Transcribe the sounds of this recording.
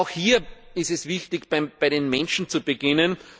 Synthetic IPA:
ʊxhiːɐɪstɛsv̥ɪçtɪçpab̥aɪɾenmɛ̃nʃn̩t͡subeɡ̥ɪnən

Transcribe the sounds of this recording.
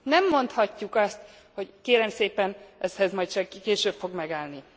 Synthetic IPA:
nɛmːo̞nt̪hɒcːukɒst̪ | ho̞ckeːɾɛmseːpɛnʔɛshɛzmɒjt̪t͡ʃɛkeːʃøːbfo̞ɡmɛɡaːlni

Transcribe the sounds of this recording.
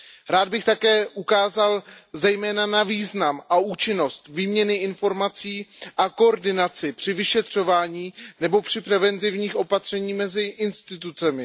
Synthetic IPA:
ɾaːd̪̚bɪxt̪akɛːʔukaːzalzɛjmɛːnanaviːznamʔauːt͡ʃɪno̞st̪viːmɲɛnɪɪnfo̞ɾmat͡siːʔako̞oɾdɪnat͡sɪpr̝̥ɪvɪʃɛt̪r̝̥o̞vaːɲiːnɛbo̞pr̝̥ɪpɾɛvɛnt̪̬ɪvɲiːxʔo̞pat̪r̝̥ɛɲiːmɛzɪʔɪnst̪ɪt̪̬ut͡sɛmɪ

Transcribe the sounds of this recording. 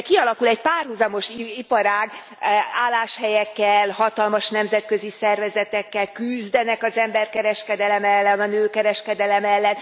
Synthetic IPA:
kiɒlɒkulɛcpaːrhuzɒmo̞ʃipɒɾaːɡ | aːlːaːʃhɛjɛkːɛlhɒt̪ɒlmɒʃnɛmzɛt̪kø̞zisɛrvɛzɛt̪ɛkːɛlkyzd̪ɛnɛkɒzɛmbɛrkɛɾɛʃkɛd̪ɛlɛmɛlːɛnɒnøːkɛɾɛʃkɛd̪ɛlɛmɛlːɛn

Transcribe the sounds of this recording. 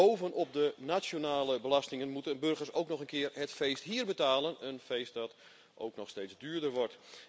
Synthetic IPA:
owvənɔp̚dənat͡ʃonaːləbəlastɪŋənmutənbɵrɣərsowknɔxənkɪərɦɛtfeːstɦiːərbətaːlənənfejst̚dɔt | ʔo̰wknɔxsteːzdyːɹdərʋɔrt

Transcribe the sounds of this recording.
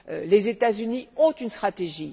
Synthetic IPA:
lezet̪azyniɔ̃t̪ynst̪χat̪eʒi

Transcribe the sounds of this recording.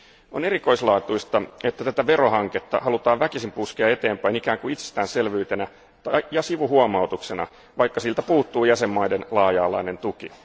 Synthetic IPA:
o̞ne̞riko̞ijslɑːt̪uist̪ɑe̞t̪ːæt̪æt̪æʋe̞ɾo̞ɦɑŋket̪ːɑ̰hɑlut̪ɑːʋʋækisimpuskeɑe̞t̪e̞ːmpæinikæːŋkuit̪se̥st̪æːnse̞lʋyːt̪e̞næ | t̪ɑjɑsiʋuɦuomɑwt̪ukse̞nɑ̰ | ʋɑjkːɑsilt̪æpuːt̪ːuːjæse̞mːɑjdenlɑːjɑːlɑ̰ine̞nt̪ukḭ

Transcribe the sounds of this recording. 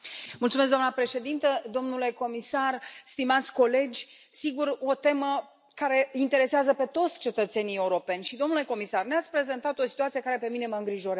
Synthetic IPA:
mult̪sumes̬ɡd̪amnəpɾe̞ʃe̞d̪int̪əd̪o̞mnule̞ko̞misarst̪imat̪sʲko̞le̞d͡ʒʲ | siɡuɾo̞t̪e̞mə | kaɾe̞int̪e̞ɾe̞seazəpe̞t̪o̞t̪sʲt͡ʃe̞t̪ət̪se̞nijeuɾo̞pe̞nʲʃid̪o̞mnule̞ko̞misarneat̪sʲpɾe̞ze̞nt̪at̪o̞si̥t̪uat̪sije̞kaɾe̞pe̞mine̞məɨŋɡɾiʒo̞ɾa

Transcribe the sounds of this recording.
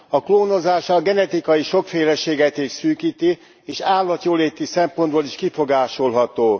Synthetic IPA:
ɒkloːno̞zaːʃɒɡɛnɛt̪ikɒjiʃo̞kfeːlɛʃeːɡɛt̪eːʃsyːkiːt̪i | eːʃaːlːɒt̪joːleːt̪ːisɛmpo̞nd̪̚boliʃkifo̞ɡaːʃo̞lɦɒt̪oː

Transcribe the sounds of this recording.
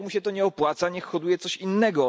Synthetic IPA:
muɕɛt̪ɔɲɛɔpwat̪saɲɛxxɔd̪ujɛt̪sɔɕinːɛɡɔ

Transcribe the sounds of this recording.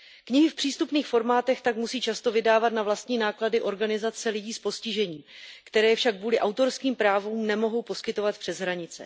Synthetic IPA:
kɲɪɦɪfpr̝̥iːst̪upniːxfo̞ɾmaːt̪ɛxt̪akmusiːt͡ʃast̪o̞vɪdaːvat̪navlast̪ɲiːnaːkladɪʔo̞ɾɡanɪzat͡sɛlɪɟiːspo̞scɪʒɛɲiːkt̪ɛɾɛːjɛfʃakvuːlɪʔawt̪o̞ɾskiːmpɾaːvuːmnɛmo̞ɦo̞wpo̞skɪt̪o̞vat̪̚pr̥ɛzɦɾaɲɪt͡sɛ̰

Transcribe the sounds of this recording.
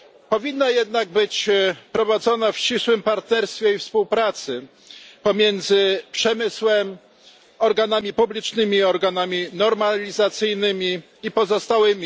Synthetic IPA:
pɔvʲinːajɛd̪naɡ̚bɘt͡ɕpɾɔvad̪zɔnafɕt͡ɕiswɘmpaɾt̪nɛɾst̪fʲɛifspuwpɾat̪sɘ | pɔmʲjɛnd̪zɘpʂɛmɘswɛm | ɔɾɡanamʲipublʲit͡ʂnɘmʲiɔɾɡanamʲinɔɾmalʲizat̪sɘjnɘmʲiː | pɔzɔst̪awɘmʲi

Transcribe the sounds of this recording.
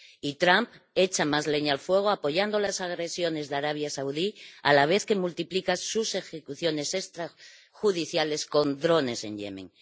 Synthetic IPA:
it̪ɾamp | e̞t͡ʃamazle̞ɲaalfwe̞ɣ̞oapo̞ʝand̪olasaɣɾe̞sjo̞ne̞zðaɾaβ̞jasawðialaβ̞e̞θke̞mult̪iplikasuse̞xe̞kuθjo̞ne̞sest̪ɾa | xuðiθjale̞sko̞nd̪ɾo̞ne̞se̞̰nʎe̞̰mḛ̃ŋ

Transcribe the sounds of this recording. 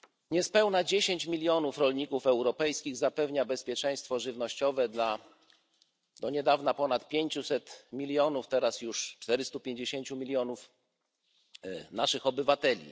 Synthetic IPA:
ɲɛspɛwnad͡ʑeɕeɲt͡ɕmʲilʲjɔn̪ufɾɔlɲikufɛwɾɔpɛjskʲiɣzapɛvɲabɛspʲjɛt͡ʂɛj̃st̪fɔʐɘvnɔɕt͡ɕɔvɛd̪la | d̪̥ɔɲɛd̪avnapɔnat̪pʲjeɲt͡ɕusɛt̪mʲilʲjɔnuft̪ɛɾasjuʂt͡ʂt̪ɛɾɘst̪upʲjeɲd͡ʑeɕeɲt͡ɕumʲilʲjɔnuf | naʂɘxɔbɘvat̪ɛlʲḭ

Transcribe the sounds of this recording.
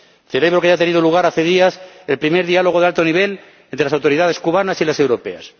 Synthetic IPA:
θe̞le̞β̞ɾo̞keaat̪e̞nið̞oluɣ̞aɾaθe̞ð̞iaselpɾime̞ɾðialo̞ɣoealt̪o̞niβ̞e̞l | ent̪ɾelasawt̪o̞ɾiðað̞e̞skuβ̞anasilase̞wɾo̞pe̞̰a̰s

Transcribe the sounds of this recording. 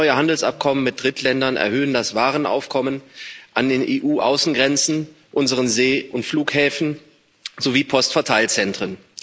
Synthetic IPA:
ɔʏəhandl̩sʔa̰p̚kʰɔmənmɪt̚d̥ʁɪtʰlɛndɐnɛ̰ɐhøːəndasv̥aːʁənʔa̰ʊfkʰɔmənʔandeːnʔeːʔuːʔaʊsn̩ɡʁɛnt͡sn̩ | ʔʊnzəʁənzeːʔʊntfluːkhɛːfn̩ | zoviːpʰɔstfɛɐtʰaɪlt͡sɛntʁ̥ən

